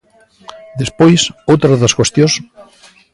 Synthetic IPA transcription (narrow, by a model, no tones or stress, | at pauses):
d̪espojsowt̪ɾɐðɐskwest̪jõs